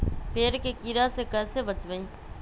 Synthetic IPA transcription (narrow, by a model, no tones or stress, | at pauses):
peːɾkekiːɾasekəsebət͡ʃʋəĩː